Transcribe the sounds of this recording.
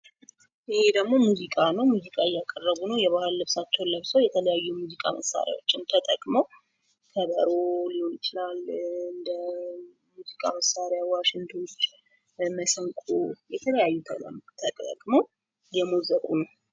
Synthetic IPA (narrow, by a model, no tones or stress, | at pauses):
ɪhed̪əɡmo̞muzikʼanəwmuzikʼaɨjːakʼərːəβunəwjɛβahɨlːɨβsat͡ʃːɛwnləβsəwjɛt̪ʰələjajːumuzikʼa̰məsːa̰ɾja̰wo̞t͡ʃːɪnt̪ʰət̪ʼəkʼməw | kʰəbəɾolojɪt͡ʃɪlalɨnd̪ə | muzikʼa̰məsaɾjawaʃɪnt̪ʰo̞t͡ʃː | məsəŋkʼojɛt̪ʰələjajːut̪ʰələ̰mt̪ʰəkʼkʼməw | jɛmozəkʼṵnəw